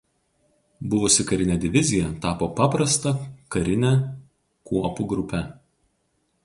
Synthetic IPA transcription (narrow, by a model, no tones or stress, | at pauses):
bʊʋʊsʲɪkɐɾʲɪnʲɛd̪ʲɪʋʲɪzʲɪjɛt̪ɑːpoːpɑːpɾɐst̪ɐkɐɾʲɪnʲɛ | kuɔpuɡɾʊpʲɛ